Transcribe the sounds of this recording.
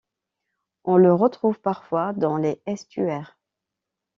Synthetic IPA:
ɔ̃ləʁət̪χuvpaʁfwad̪ɑ̃leɛst̪yɛːʁ

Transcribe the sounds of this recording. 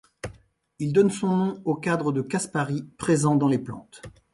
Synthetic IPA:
ild̪ɔnsɔ̃nɔ̃okad̪ʁəd̪əkaspaʁipχezɑ̃d̪ɑ̃leplɑ̰̃t̪

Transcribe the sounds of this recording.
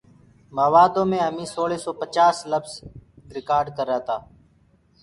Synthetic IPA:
məːʋaːd̪õːmẽːəmĩːsoːɭeːsoːpət͡ʃaːsləbzɾɪkaːɾɖkəɾːaːt̪aː

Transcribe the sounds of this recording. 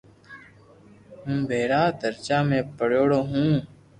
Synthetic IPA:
ɦʊmbʱeːɾaːd̪əɾt͡ʃaːmẽːpəɽoːɽoːɦũː

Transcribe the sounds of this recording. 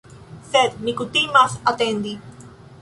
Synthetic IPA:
sed̪mikut̪imasat̪end̪i

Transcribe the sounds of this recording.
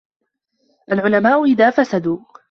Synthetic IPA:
ʔalʕʊlamaːʔʊʔɪðaːfasad̪uː

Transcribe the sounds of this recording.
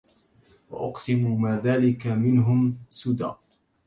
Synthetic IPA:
waʔʊqsɪmuːmaːðaːlɪkamɪnɦʊmsʊd̪a̰ːʔ

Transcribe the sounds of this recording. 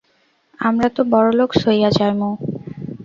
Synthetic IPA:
amɾat̪obɔɾoloɡʃojad͡ʑaɾmo

